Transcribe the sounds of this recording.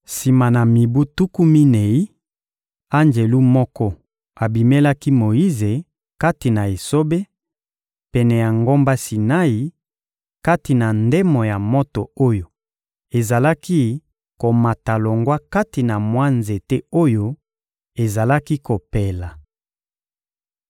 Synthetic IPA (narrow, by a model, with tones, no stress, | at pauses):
si˨ma˨na˨mi˨bu˦tu˦ku˦mi˦ne˨i˦ | a˦nd͡ʒe˨lu˦mɔ˦kɔ˦ | a˨bi˨me˦la˦ki˦mo˨i˦ze˨ | ka˦ti˨na˨e˨so˦be˦ | pɛ˨nɛ˨ja˨ŋɡo˦mba˦si˨na˦i˨ | ka˦ti˨na˨nde˦mɔ˨ja˨mo˦to˨o˦jo˨ | e˨za˨la˦ki˦ | ko˨ma˨ta˨lo˨ŋɡwa˦ka˦ti˨na˨mwa˦nze˨tɛ˦o˦jo˦ | e˨za˨la˦ki˦ko˨pe˨la˨